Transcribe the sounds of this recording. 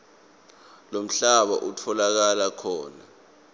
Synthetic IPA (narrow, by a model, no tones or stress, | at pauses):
lom̩ɬaɓa̰ʔutʰɔlak̬alakʰɔːna